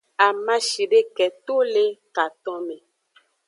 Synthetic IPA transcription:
a˨mã˦ʃi˨ɖe˦kɛ˨t̪o˦le˦ka˨t̪ɔ̃˦mẽ˨

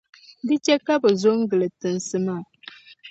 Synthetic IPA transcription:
dɨ˦t͡ʃɛ˦ka˦bɛ˨zo˦ŋ̩˦ɡɨ˨lɨ˨tɨ˨n˨sɨ˨maː˦˨

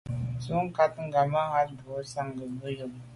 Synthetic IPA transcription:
su˦ŋ˦ka˦t̪ŋ̩˦ɡa˨ma˦ɣa˦tdu˨˦sa˦ŋɡə˨bə˦jə˨m

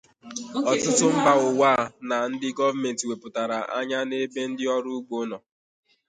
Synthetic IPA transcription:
ɔ˨tʊ˦tʊ˦m̩˦ba˨ʊ˨waː˦˨na˨n̩˦dɪ˦ɡɔ˦va˦me˨nti˨we˨pʊ˨ta˨ɾa˨ʔa̰˦ɲa˦ne˦be˦n̩˦dɪ˦ɔ˦ɾʊ˦ɡ͡bo˦nɔ˨

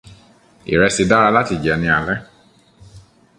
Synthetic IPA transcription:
ḭ˨ɾɛ˧si˧da˦ɾa˧la˦ti˧˨d͡ʒɛ˨nĩ˧˦a˨lɛ˦

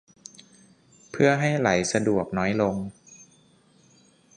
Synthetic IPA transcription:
pʰɯ˥˩ɐɦa˥˩jla˩˦jsa˧du˨˩ək̚nɔː˦˥jlo˧ŋ

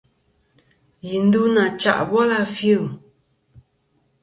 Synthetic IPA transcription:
ji˨n̩˦du˦na˨t͡ʃa̰˦˨ʔbwɔ˦la˦fju˦˨

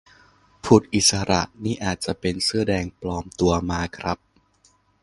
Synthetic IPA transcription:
pʰu˨˩t̪̚ʔi˨˩t̪̚sa˧ɾa̰˨˩ʔniː˥˩ʔaː˨˩t̪̚t͡ɕa˨˩ʔpe˧nsɯ˥˩ɐdɛː˧ŋplɔː˧mt̪u˧ɐmaː˧kʰɾa˦˥p̚

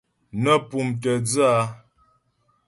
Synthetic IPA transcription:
nə˦pu˨mtə˨d͡zɨ˦a˦

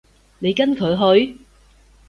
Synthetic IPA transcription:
ne˨˧jkɐ˥nkʰɵ˨˧ɥɦɵ˨˧ɥ

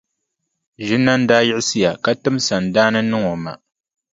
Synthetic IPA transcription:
ʒɪ˦nːa˦n̩˦daː˦jɪ˦ʔɪ˦sɨ˦ja˨ka˦tɨ˦msa˨n˨daː˦nɨ˦nɨ˦ŋo˨ma̰˨

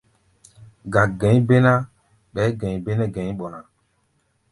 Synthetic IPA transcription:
ɡa˨ɡɛ̃˨˦ɲ˦be˦nã˦ | ɓɛː˨˦ɡɛ̃˨ɲ˨be˦nɛ˦ɡɛ̃˨˦ɓɔ˨na˨

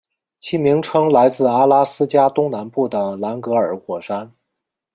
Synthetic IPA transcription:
t͡ɕʰi˥mi˧˥ŋʈ͡ʂʰɤ˥ŋla˧˥ɪt͡sɹ̩˥˩a˥la˥sɹ̩˥t͡ɕja˥t̪ʊ˥ŋna˧˥npu˥˩d̪ə˩la˧˥nkɤ˧˥ə˞˨˩xwɔ˨˩ʂa˥n

